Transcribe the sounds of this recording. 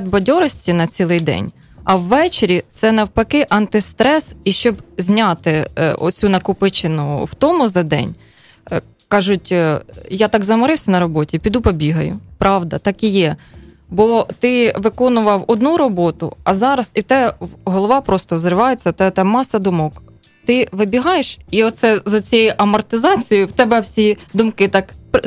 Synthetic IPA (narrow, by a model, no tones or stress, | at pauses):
d̪bɔdʲɔɾɔsʲtʲinɐt͡sʲilˠɪjd̪ɛ̰nʲ | ɐwːɛt͡ʃeɾʲit̪sɛnɐwpɐkɪʔɐnt̪ɪst̪ɾɛsiʃt͡ʃɔbzʲnʲat̪ɪɔ̰t͡sʲunɐkʊpɪt͡ʃɪnʊ̰wt̪ɔmʊzɐd̪ɛ̰nʲ | kɑʒʊtʲjat̪ɑɡzɐmɔɾɪwsʲɐnɐɾɔbɔtʲipʲid̪upɔbʲiɦɐjʊ̰pɾɑʋd̪ɐt̪ɑkijɛ | bɔt̪ɪʋɪkɔnʊʋɐwɔd̪nuɾɔbɔt̪ʊ̰ɐzɑɾɐsit̪ɛɦɔlˠɔʋɑpɾɔst̪ɔwzɾɪʋɑjet͡sʲːɐt̪ɛt̪ɛmːɑsɐd̪ʊmɔk | t̪ɪʋɪbʲiɦɑjeʃiɔt̪sɛzɐt͡sʲɛjʊʔɐmɔrt̪ɪzɑt͡sʲijʊwt̪ɛbɛwsʲid̪ʊmkɪt̪ɑkp